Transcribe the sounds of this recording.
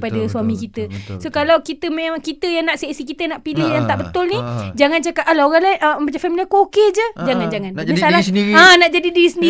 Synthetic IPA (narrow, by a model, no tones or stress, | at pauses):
padasuamĩkit̪əsokalawkit̪əmeakit̪əjaŋnaʔsiaʔsikit̪ənaʔpilɪhjaŋt̪aʔbət̪ʊlnid͡ʒaŋant͡ʃakap̚ʔalaoɣaŋlaɪnəəmbat͡ʃafamiliakoked͡ʒəd͡ʒaŋand͡ʒaŋandasalaə̃naʔd͡ʒadidiisəndi